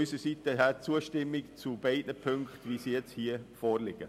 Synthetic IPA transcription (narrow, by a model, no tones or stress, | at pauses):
ysəsitəɦɛt͡suːəʃtɪmːɪkt͡sub̥eɪdnəpʰʏŋktvisijɛt͡shiːəfɔːɾlɪɡ̥ə